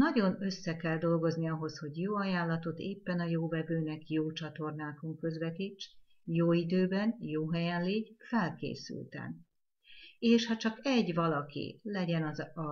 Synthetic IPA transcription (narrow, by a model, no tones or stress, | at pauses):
nɒɟo̞nø̞sːɛkɛld̪o̞lɡo̞zniɒɦo̞sho̞ɟjoːɒjaːlːɒt̪o̞t̪eːpːɛnɒjoːvɛvøːnɛkjoːt͡ʃɒt̪o̞rnaːko̞ŋkø̞zvɛt̪it͡ʃː | joːid̪øːbɛnjoːɦɛjɛnliːɟfɛlkḛːsy̰lt̪ɛ̰n | eːʃhɒt͡ʃɒkɛɟʋɒlɒkḭlɛɟɛnɒ